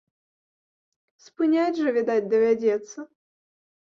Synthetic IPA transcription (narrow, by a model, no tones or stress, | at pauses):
spɨnʲadʲʐɨvʲɪd̪atʲd̪ɐvʲadʲɛt̪sːɐ